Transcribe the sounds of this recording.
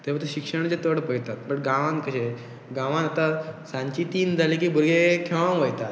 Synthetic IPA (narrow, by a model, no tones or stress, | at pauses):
t̪eʋat̪əɕikʂəɽ̃t͡ɕet̪əɽpəjt̪at̪̚bəʈɡãʋãŋkəɕẽ | ɡãʋãnat̪asãɲt͡ɕit̪iːnd͡zʱalikiːbʱuɾɡekʰeʋãʋəjt̪at̪